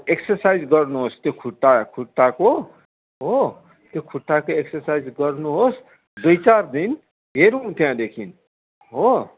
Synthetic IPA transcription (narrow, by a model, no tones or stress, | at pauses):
eksʌrsajd͡zɡʌrnuɦost̪jokʰuʈːakʰuʈːako | ɦo | t̪jokʰuʈːakoeksʌrsajd͡zɡʌrnuɦos | d̪ujt͡sard̪in | ɦeɾuũt̪jãd̪ekʰin | ɦo